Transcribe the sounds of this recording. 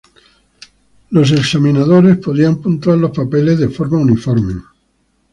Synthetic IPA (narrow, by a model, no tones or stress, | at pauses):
lo̞s̬e̞ksamĩnaðoɾe̞spoðiampunt̪waɾlo̞spapelezðefoɾmaunifoɾme